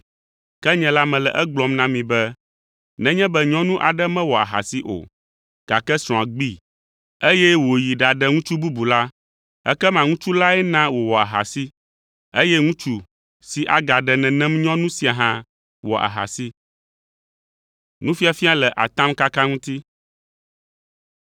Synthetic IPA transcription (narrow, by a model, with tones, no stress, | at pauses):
kɛ˦ɲɛ̃˨la˦mɛ̃˨lɛ˨ʔɛ˦ɡ͡blɔ˨mnã˦mĩ˨bɛ˦ | nɛ̃˦ɲɛ̃˦bɛ˦ɲɔ̃˦nũ˦ʔa˨ɖɛ˦mɛ̃˦wɔ˨a̰˨ɦa̰˨si˦ʔo̰˨ | ɡ̥a˨kɛ˦sɾɔ̃˨a˨ɡ͡bi˦ | e˦jɛ˦wo˨ji˨ɖa˨ɖɛ˦ŋũ˦t͡ʃu˦bu˦bu˨la˦ | ɛ̰˦kɛ˦mã˨ŋũ˦t͡ʃu˦la˦ɛ˦nã˦wo˨wɔ˨a̰˨ɦa̰˨si˦ | e˦jɛ˦ŋũ˦t͡ʃu˦ | si˨ʔa̰˨ɡa˨ɖɛ˨nɛ̃˨nɛ̃˦mɲɔ̃˦nũ˦si˨a˨ɦã˦ | wɔ̰˨ʔa̰˨ɦa̰˨si˦ | nũ˦fi˦a˨fi˦a˦˨lɛ˨ʔa̰˨t̪ã˦mka˦kã˦ŋũ˦t̪i˦